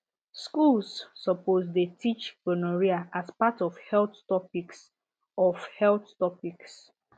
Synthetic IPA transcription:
skulsːɔpozdetʰit͡ʃkɔnɔɹiaʔaspatɔfhɛlθtɔpiks | ɔfhɛlθtɔpiks

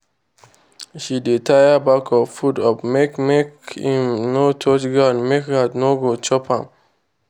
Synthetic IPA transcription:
ʃidetʰajabakʰɔfudɔpmekmekhĩmnotʰɔt͡ʃɡanmekhanoɡot͡ʃɔpãm

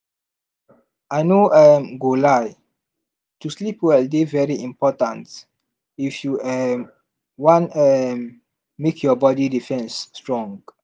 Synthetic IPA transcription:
ʔajnoɛmɡolaj | tuslipwɛldevɛɹiĩmpɔtãnt | ifjuɛm | wɔ̃ntɛmː | ekʰjɔbɔdidifɛ̃nstɹɔ̃ŋɡ

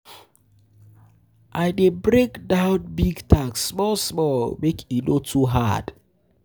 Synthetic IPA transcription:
ʔaɪdebɾekdaʊt̚biɡtʰaksːmɔlsmɔlmekʰinotʰuɦa̰d̥

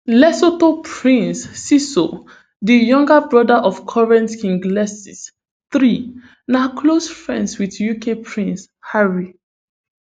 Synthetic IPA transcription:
lɛsotopʰɹĩnsːiso | dəjɔ̃ŋɡəbɹɔdaʔɔfkʰɔɹɛ̃ntkĩŋɡlɛsis | θɹi | nakʰlosfɹɛ̰̃ndswiðjukʰepʰɹĩns | haɹi

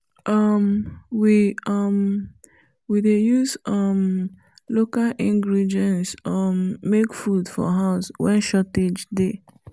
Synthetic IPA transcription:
ʌmwiʌm | widejuzʌm | lokalĩŋɡɾidiɛ̃nsʌmːekfudfɔ̰ɦaʊswɛ̰̃nʃɔted͡ʒde

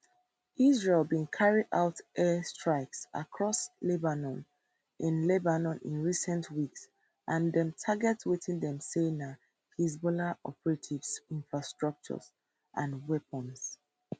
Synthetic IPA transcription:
ʔizɹelbĩnkʰaɹidaʊtʔɛstɹ̥aɪksʔa̰kʰɹɔslebanɔ̃n | ʔĩnlɛbanɔ̃nḭ̃nɹisɛ̃ntʰwiks | ʔãndɛ̃mtʰaɡɛtwiθĩndɛ̃msena | hizbɔlaʔɔ̰pɛɹatʰivsĩnfɹastɹ̥ʌk̚t͡ʃɔ̰z | ʔãnwɛpə̃ns

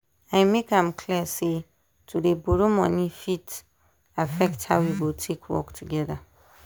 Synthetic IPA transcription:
ãɪmekãmkʰliəse | tʰudeboɾomɔ̰̃nĩfit | afɛkthaʊwiwɪltʰekʰwɔ̰ktʰuɡɛða

